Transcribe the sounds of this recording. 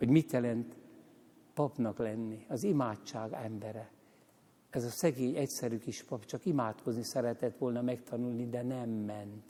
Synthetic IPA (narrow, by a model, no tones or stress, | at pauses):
ho̞ɟmit̪jɛlɛnt̪ | pɒpnɒklɛnːiɒzimaːt͡ʃːaːɡɛmbɛɾɛ | ɛzɒsɛɡeːɲɛcsɛɾykiʃpɒpt͡ʃɒkimaːt̪kʰo̞znisɛɾɛt̪ɛt̪ʋo̞lnɒmɛkt̪ʰɒnulnid̪ɛnɛmːɛnt̪